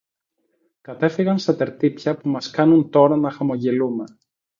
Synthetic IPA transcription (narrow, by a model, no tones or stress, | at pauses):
kɐt̪e̞fiɣɐnst̪ɐt̪e̞ɾt̪ipçɐpumɐskɐnunt̪o̞ɾɐnɐxɐmo̞ʝelume